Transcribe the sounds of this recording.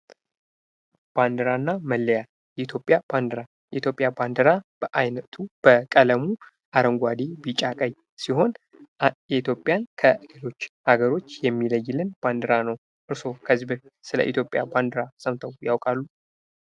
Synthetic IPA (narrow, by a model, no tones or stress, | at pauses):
b̥and̪əɾanːaməlːəja | jɛit̪ʰjopʼjab̥and̪əɾa | jɛit̪ʰʲjo̞pʼjaband̪əɾab̥əʔajnət̪ʰub̥əkʼələmu | ʔaɾəŋɡʷad̪ebit͡ʃʼakʼəɲ | siɦo̞n | jɛit̪ʰjo̞pʼjankʰəlelo̞t͡ʃːhaɡəɾo̞t͡ʃːjɛmːiləjːɪlɨnb̥and̪əɾanəw | ʔɨɾso̞kʰəzibɨɾsɨlə̰ʔḭt̪ʰjo̞pʼjaband̪əɾasəmt̪ʰəwjawkʼalːu